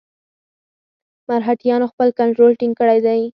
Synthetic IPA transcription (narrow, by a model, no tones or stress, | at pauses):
maɾɦaʈjɑnoxpəlkaɳʈɾolʈiŋɡkəɽajd̪aj